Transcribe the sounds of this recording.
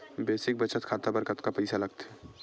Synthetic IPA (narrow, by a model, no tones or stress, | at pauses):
beːsɪk̚bət͡ʃət̪kʰaːt̪abəɾkət̪kapɐɪsalɐɡt̪ɛ